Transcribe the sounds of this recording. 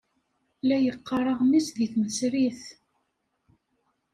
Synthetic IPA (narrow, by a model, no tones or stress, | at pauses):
læjəqːɑɾˤəʁmisðiθməsɾiθ